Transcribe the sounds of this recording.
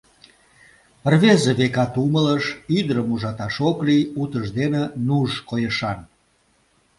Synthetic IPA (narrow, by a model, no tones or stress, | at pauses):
ərβezeβekɑt̪umələʃid̪əɾəmuʒɑt̪ɑʃokliut̪əʃd̪enenuʒkojəʃɑn